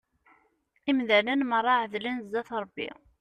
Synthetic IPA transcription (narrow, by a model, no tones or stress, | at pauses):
imðælənmərˤːɑʕðlənzːæθɾˤəbːḭ